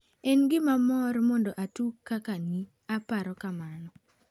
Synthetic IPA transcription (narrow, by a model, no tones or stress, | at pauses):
enɡɪmamɔrmɔndɔʔatukːakani | apaɾɔkamanɔ